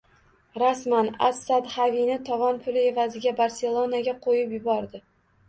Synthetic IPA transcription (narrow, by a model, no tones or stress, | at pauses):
ɾasmana̰sːad̪havinɪt̪ʰɒvɒnpʰʊlɪe̞vazɪɡʲabaɾse̞lˠo̞naɡʲaqʰojɪpjʊbɒɾd̪ɪ